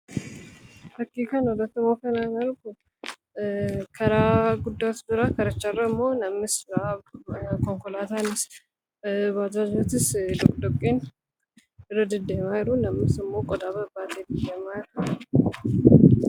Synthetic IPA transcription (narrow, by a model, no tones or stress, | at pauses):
təkːikʰanlət̪ːɨmokənanalku | kʰɐɾaɡud̪ːajt̪zɨɾakʰɐɾɐt͡ʃːɐrəmːonɐmːɨsb | kʰoŋkolat̪anɨs | bad̪ɾad͡ʒot̪ɨsd̪okʼd̪okʼːen | ɾəd̪ɨd̪emajɾunɐmːɨsɨmːokʼɔd̪aβəbat̪ʰed̪ɨdemajɾu